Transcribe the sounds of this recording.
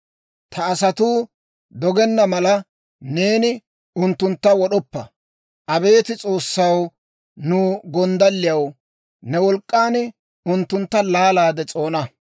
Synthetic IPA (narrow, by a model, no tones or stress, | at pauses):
t̪ʰɐːsɐt̪uː | d̪ɔɡɛnːɐmɐlɐ | ne̞ːnɪ | ʊnt̪ːʊnt̪ːɐwɔɗɔpːɐ̰ | ʔɐbe̞ːt̪ɪt͡sʼo̞ːsːɐw | nʊːɡɔnd̪ɐlːɪjɐw | nɛwɔlkʼːaːnɪ | ʊnt̪ːʊnt̪ːɐlaːlaːd̪ɛt͡sʼo̞ːnɐ